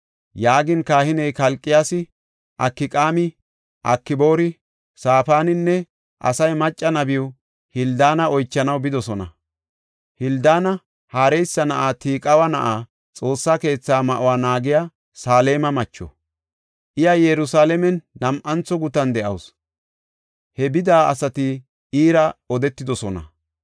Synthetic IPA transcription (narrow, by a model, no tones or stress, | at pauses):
jaːɡɪnkaːhɪnɛjkɐlkʼːɪjaːsɪ | ʔɐkːɪkʼaːmɪ | ʔɐkːɪbo̞ːɾɪ | saːfaːnɪnːɛ | ʔɐ̰sɐjmɐt͡ʃʼːɐnɐbɪjɔ | hɪld̪aːnɐɔjt͡ʃːɐnɐwbɪd̪ɔsɔnɐ̰ | hɪld̪aːnɐ | haːɾɛjsːɐnɐʔaːt̪iːkʼɐwɐnɐʔaː | t͡sʼo̞ːsːaːke̞ːt͡sːaːmɐʔʊwaːnaːɡɪjaː | saːle̞ːmɐmɐt͡ʃːɔ̰ | ʔɪjɐjɛɾʊsaːlɛmɛnːɐmʔɐnt͡sɔɡʊt̪ɐnd̪ɛʔɐ̰ws | hɛbɪd̪aːɐsɐt̪ɪ | ʔiːɾɐɔd̪ɛt̪ːɪd̪ɔsɔnɐ̰